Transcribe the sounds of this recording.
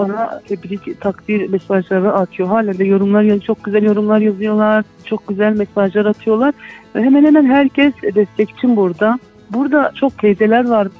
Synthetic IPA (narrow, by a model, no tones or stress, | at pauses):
banat̪ʰɛbɾict̪ʰakd̪iɾmɛsaʒlˠaɾɯʔat̪ʰɯjo̞ɦaːlʲand̪ɛjo̞ɾumlˠaɾjat͡ʃʰo̞k̚ɟyzælʲjo̞ɾumlˠaɾjazɯjo̞lˠaɾ̥ | t͡ʃʰo̞k̚ɟyzælʲmɛsaʒlˠaɾat̪ʰɯjo̞lˠaɾ̥vɛɦɛmænhemænɦæɾcʰɛsd̪ɛst̪ʰɛci̥t͡ʃʰinbuɾd̪a | buɾd̪at͡ʃʰo̞k̚cʰejze̞lʲæɾvaɾ